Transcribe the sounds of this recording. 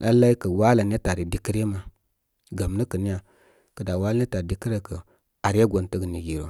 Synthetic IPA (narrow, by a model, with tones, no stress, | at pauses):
a˦la˦i˦kə˨wa˦la˨n˦e˦ta˨ɾi˨di˦ki˦ɾe˦ma˨ | ɡa˨m˨nə˦kə˨ni˦ja˨ | kə˨da˨wa˦lne˦ta˨di˦ki˦ɾe˦kə˨ | a˨ɾa˦ɡo˨n˦tə˦ɡə˨ni˨ɡi˨ɾo˨